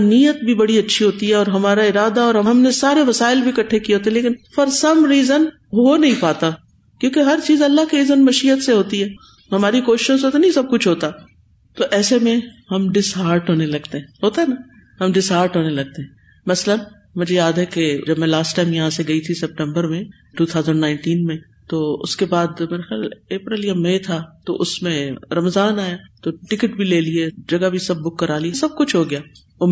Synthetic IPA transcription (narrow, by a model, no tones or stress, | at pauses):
niːjət̪̚bʱibɐɽiɐtːʃʰiɦoːt̪iɦɛɔːɾɦɐmaːɾaɪɾaːd̪aɔːɾɦɐɦɐmnesaːɾeʋɐsaːɪlbʱikɐʈʰːekiɦoːt̪eɛ̃leːkɪnfɐɾsɐmɾiːzən | ɦonɐɦĩpaːt̪a | kjõːkeɦɐɾt͡ʃiːzɐlːaɦkiɾiːzənmɐʃiːət̪seɦoːt̪iɦɛː | ɦɐmaːɾikoːʃɪ̥ʃõseɦoːt̪enɐĩsɐb̚kʊt͡ʃʰɦoːt̪a | t̪oʔɛːsemẽɦɐmɖɪsɦaːɾʈɦoːnelɐɡt̪eɦɛ̃ːɦoːt̪aɦɛna | ɦɐmɖɪsɦaːɾʈɦoːnelɐɡ̚t̪eɦɛ̃ | mɐslən | mʊd͡ʒʱejaːd̪ɦɛked͡ʒɐbmẽlaːsʈːaːɪmjɐɦãseɡɐit̪ʰisɛp̚ʈɛ̃mbəɾmẽ | ʈuːt̪ʰaːʊzəɳɖnãːɪ̃ɳʈiːnmẽ | t̪oːʊ̰skebaːd̪meːɾaxjaːleːpɾeljɐmːeet̪ʰat̪o̰ʔʊsmẽɾɐmzaːnaːjaːt̪oʈɪkəʈbʱileːlied͡ʒɐɡabʱisɐb̚ːʊkːɐɾaːliesɐb̚kʊt͡ʃʰɦoːɡɪjaː | ʊ